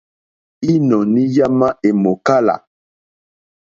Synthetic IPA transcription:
i˦nɔ˨ni˦ja˦ma˦ʔe˨mo˨ka˦la̰˨

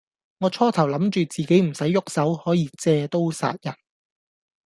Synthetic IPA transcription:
ŋɔː˨˧t͡ʃʰɔː˥t̪ʰɐ˨˩wlɐ˨˥mt͡ʃyː˨˧t͡siː˨˩ke˨˥jm̩˨˩sɐ˨˥jːʊ˥k̚sɐ˨˥whɔː˨˥jiː˨˧t͡sɛː˧t̪o˥wsa̰ː˧t̚jɐ˨˩n

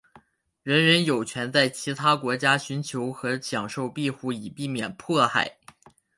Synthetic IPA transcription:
ɻə˧˥nɻə˧˥njo˨˩ʊt͡ɕʰɥɛ˧˥nt͡sa˥˩ɪt͡ɕʰi˧˥t̪ʰa˥kwɔ˧˥t͡ɕja˥ɕy˧˥nt͡ɕʰjo˧˥ʊxɤ˧˥ɕjɑ˨˩ŋʂo˥˧ʊpi˥˧xu˥˩i˨˩pi˥˩mjɛ˨˩npʰɔ˥˧xa̰˥˩ɪ

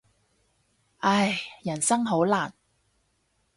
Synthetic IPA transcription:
ʔɐ˥jjɐ˨˩nsɐ˥ŋɦo˨˥wlaː˨˩n

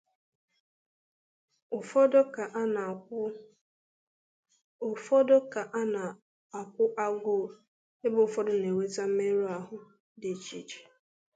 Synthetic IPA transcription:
ʊ˨fɔ˦dɔ˦ka˨ʔn˨˦ | ʊ˨fɔ˦dɔ˦ka˨ʔa˦na˨ | a˨kʷʊ˦ʔa˦ɡʊ˦˨ | ɪ˦bʊ˨ʊ˨fɔ˦dʊ˦ne˨we˦ta˦m̩˦me˦ɾu˦a˨ɦʊ˦ | dɪ˨t͡ʃḭ˦t͡ʃi̥˨

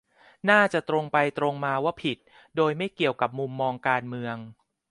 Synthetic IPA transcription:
naː˥˩t͡ɕa˨˩t̪ɾo˧ŋpa˧jt̪ɾo˧ŋmaː˧waː˥˩pʰi˨˩t̪̚ | doː˧jma˥˩jki˨˩əwka˨˩p̚mu˧mːɔː˧ŋkaː˧nmɯ˧əŋ

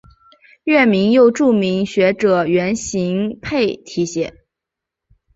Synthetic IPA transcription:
ɥɛ˥˩mi˧˥ŋjo˥˧ʊʈ͡ʂu˥˩mi˧˥ŋɕɥɛ˧˥ʈ͡ʂɤ˨˩ɥɛ˧˥nɕi˧˥ŋpʰe˥˩ɪt̪ʰi˧˥ɕjɛ˨˩˦

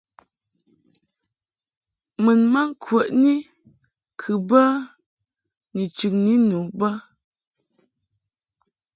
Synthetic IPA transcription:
mɨ˨nma˦ŋ˦kʰwə˨ʔni˦ | kʰɨ˨bə˦ | ni˨t͡ʃʉ˨ŋni˦nu˨bə˦

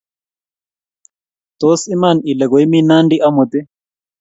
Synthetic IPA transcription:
t̪o˨˦si˦ma˦˨ni˨le˨ɡo˨jmi˦na˦nɖi˦ʔa˦mo˨t̪e˦

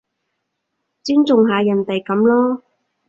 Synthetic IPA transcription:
t͡siː˥nt͡sʊ˨ŋɦaː˨jɐ˨˩nt̪e˨jkɐ˨˥mlɔː˥

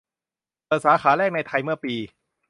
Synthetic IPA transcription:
pɤː˨˩saː˩˦xaː˩˦lɛː˥˩k̚na˧jt̪ʰa˧jmɯ˥˩ɐpiː˧

